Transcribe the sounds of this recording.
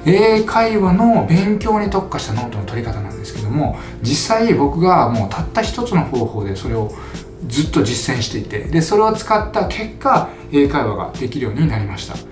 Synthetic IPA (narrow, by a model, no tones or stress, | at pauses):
e̞ːkʰaiβano̞bẽ̞ŋkʲo̞ːɲ̟it̪o̞kːaɕi̥t̪ano̞ːt̪o̞not̪o̞ɾʲikat̪anã̰nd̪e̞sɨ̥ke̞d̪o̞mo̞ | d͡ʑisːaibo̞kɯ̟ɡamo̞ːt̪ʰat̪ːaçi̥t̪o̞t͡sɨno̞ho̞ːho̞ːd̪e̞so̞ɾe̞o̞ | d͡zɨt̪ːo̞d͡ʑisːẽ̞ɰ̃ɕi̥t̪e̞it̪e̞̰d̪e̞so̞ɾe̞ot͡sɨ̥kat̪ːakʰe̞kːa | e̞ːkaiβa̰ɡa̰d̪̥e̞kʲiɾɯ̟jo̞ːɲ̟inaɾʲimaɕi̥t̪a̰